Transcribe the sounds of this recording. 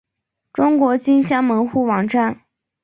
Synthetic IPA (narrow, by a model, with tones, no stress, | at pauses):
ʈ͡ʂʊ˥ŋkwɔ˧˥t͡ɕi˥nɕjɑ˥ŋmə˧˥nxu˥˩wɑ˨˩ŋʈ͡ʂa˥˩n